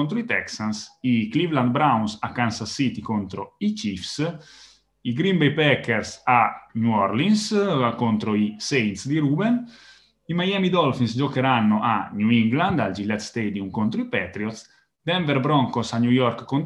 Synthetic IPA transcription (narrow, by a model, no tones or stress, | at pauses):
ont̪ɾoit̪ɛksansiklivland̪̚bɾawnsakːansasit̪ikont̪ɾoit͡ʃifs | iɡɾimbejpɛkɛɾsaɲuɔɾlinskont̪ɾoisejnt̪sd̪iɾuːbɛn | imajamid̪ɔlfinsd͡ʒokeɾanːoʔaɲuiŋɡland̪ald͡ʒilːɛt̪st̪ɛd̪iumkont̪ɾoipɛt̪ɾiɔt̪s | d̪ɛɱvɛɾbɾɔŋkosaɲujɔɾkkːon